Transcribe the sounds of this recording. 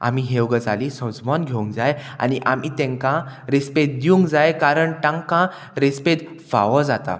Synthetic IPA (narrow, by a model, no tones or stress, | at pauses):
a̰miɦeʋɡəd͡zʱalisɔ̃d͡zmɔnɡʱeũŋɡd͡zaja̰ñiʔamit̪ɛ̃ŋkãɾespet̪̚d̪iũŋɡd͡zajkaɾəɳʈãŋkã | ɾespet̪ | fa̰ʋəd͡zat̪a̰